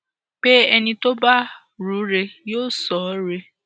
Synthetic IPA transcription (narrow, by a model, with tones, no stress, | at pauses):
b̥e˦ɛ˧nĩ˧to˦ba˦ | ɾu˨˦ɾe˧joː˦˨sɔ˨˦ɾe˧